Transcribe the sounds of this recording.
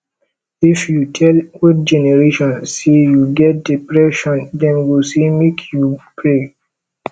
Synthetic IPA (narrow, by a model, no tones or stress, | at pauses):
ifjutʰɛlut̚d͡ʒɛnɛɹeʃɔ̃nsːejuɡɛt̚dipɹɛʃɔ̃ndɛ̃nwilsemekʰjupʰɹe